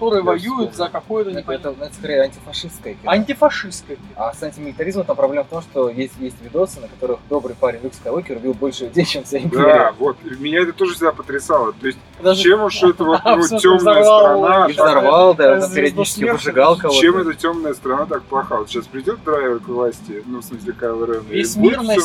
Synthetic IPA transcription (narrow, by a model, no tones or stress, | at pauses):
kɐ̥t̪oɾɨjəvɐjujʊt̪zəkɐkojʊt̪nt̪ʲɛt̪ənɐɛt̪əskɐɾʲejɐnʲtʲɪfɐʂɨskəjəkʲɪɐnʲtʲɪfɐʂɨskəjəkɐsanʲtʲɪmʲɪlʲɪt̪ɐɾʲizmət̪ampɾɐblʲeməft̪o̞mʂt̪o̞jesʲtʲjesʲtʲvʲɪd̪o̞sɨnəkɐt̪o̞ɾɨxd̪o̞bɾɨjpaɾʲɪnʲrukskəjokʲɪɾʊbʲilˠbo̞lʲʂɨjɪdʲejt͡ɕemfsʲajimd̪ʲvo̞t̪mʲɪnʲaɛt̪ət̪o̞ʐɨfsʲɪɡd̪apət̪ɾʲɪsalˠət̪o̞ɪsʲtʲnat͡ɕemoʂtoɛt̪əvototʲːomnəjsaɾɐnaɪnɐrvɑlˠd̪aɐpʲɪɾʲɪɛɐd̪ʲnit͡ɕɪ̥skʲɪvɨʐɨɡalˠkɐvoemɛt̪ətʲomnəjəst̪ɾɐnat̪ak̚plˠɐxavot̪ɕaspɾʲɪɪdʲo̞t̪d̪ɾajɛvk̪əvlˠasʲtʲɪnusmɨs̬ʲlʲɪkalˠɨɾɛnəjesʲmʲəj